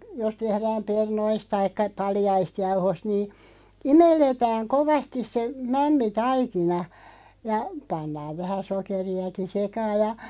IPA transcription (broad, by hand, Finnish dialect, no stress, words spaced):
jos tehræːm pernoist̆ tɑikːɑ pɑljɑist jɑuhost niː imelːetæːŋ koʋɑstis se mæmːitɑikinɑ jɑ pɑnːɑːʋ ʋæhæ sokeriɑki sekɑːj̆ jɑ